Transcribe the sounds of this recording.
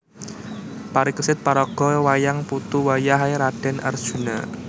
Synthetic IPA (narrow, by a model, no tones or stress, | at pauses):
paɾikəsɪt̪̚paɾɔɡ̥ɔwajaŋput̪uwajaɦaeɾaɖ̥ɛ̤nʔə̰r̥ʒ̥ṳna